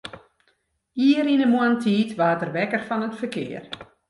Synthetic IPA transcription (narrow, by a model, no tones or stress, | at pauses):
iəɾinəmoəntʰiːtʋaːtərʋɛkərfɔnətfərkɪ̰ːər